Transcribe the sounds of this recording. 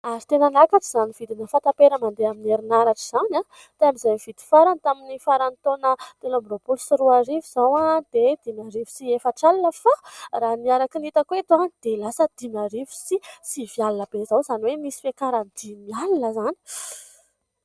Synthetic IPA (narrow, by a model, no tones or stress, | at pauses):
aɾit̪enanakaʈ͡ʂiz̥anivid̪inəfant̪apeɾəmand̪eamineɾinaɾaʈ͡ʂiz̥ana | t̪eamizajv̥id̪i̥faɾant̪aminifaɾant̪onət̪enabɾobulusiɾuaɾiviz̥awad̪̥ed̪inaɾivi̥siefəʈ͡ʂalinəfaraːniaɾakinit̪akuet̪oanid̪̥elasəd̪̥inaɾivu̥sisivialinəb̥ezawzaniwemisi̥fekaɾand̪inalinəzani̥